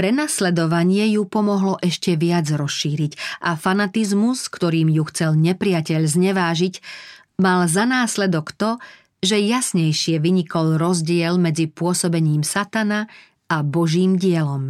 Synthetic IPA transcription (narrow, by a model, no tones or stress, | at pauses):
pɾɛnaslɛd̪ɔʋaɲɪɛjupɔmɔɦlɔʔɛʃcɛʋɪad͡zɾɔsʃiːɾicʔafanat̪izmuskt̪ɔɾiːmjuxt͡sɛlɲɛpɾɪacɛʎzɲɛʋaːʒic | malzanaːslɛd̪ɔkt̪ɔ | ʒɛjasɲɛjʃɪɛʋiɲikɔlɾɔzɟɪɛlmɛd͡zipʊɔsɔbɛɲiːmsat̪ana | abɔʒiːmɟɪɛlɔm